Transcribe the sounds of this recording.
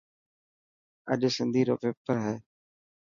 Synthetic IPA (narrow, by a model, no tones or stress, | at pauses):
əʄsɪnd̪ʱiːɾo̰ːpeːpəɾɦɛː